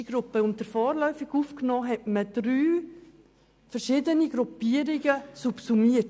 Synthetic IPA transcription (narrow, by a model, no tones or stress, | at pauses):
iɡ̥ɾʊpːəʊntdəɾfɔːɾlœʏfɪɡuːfknɔːɦɛtməd̥ɾyː | fəɾʃɪːdəniɡɾupiəɾiɡəsupsumiət